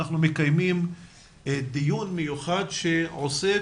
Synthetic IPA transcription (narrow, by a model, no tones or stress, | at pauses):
aχnume̞kajmim | d̪ijunmejuχadʃe̞ose